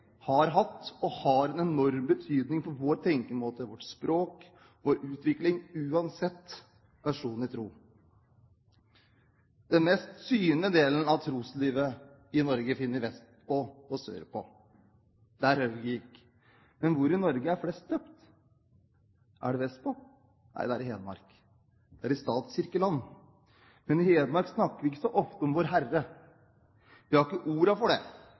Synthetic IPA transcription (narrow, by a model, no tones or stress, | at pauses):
hɑɾɦɑt̪ːɔhɑɾɛnɛnɔɾmbət̪ʰyːd̪nɪŋpʰɔʋoːɾt̪ʰɛŋkəmoːt̪əʋɔʈspɾoːk | ʋoːɾʉːt̪ʋɪklɪŋʉːɑnsɛt̪ː | ʋæʂuːnɪt̪ʰɾuː | d̪̥ɛnmɛːst̪syːnəd̪eːlən̩ɑʋt̪ʰɾuːsliːʋə | ɪnɔɾɡəfɪnːəɾʋɛst̪pɔɔsø̰ːɾəpʰɔ̰ | d̪̥æɾhøɡɪɪkːə̥ | mɛnʋʊɾɪnɔɾɡəæɾflɛst̪̚d̪øːpt̪ | ʔæ̰ɖɛʋɛst̪̚pʰɔ | nʔæ̰ɪd̪ɛæɾɪɦeːd̪mɑ̰ɾk | d̪̥ɛæɾɪst̪ɑːt̪sɪɾkəlɑnː | mɛnɪheːd̪mɑɾksnɑkːəɾʋɪɪkːə̥sɔʔɔft̪əɔmʋoːɾɦærə | ʋɪhɑɾɪkːəʔuːɾɑfɔɖɛ̰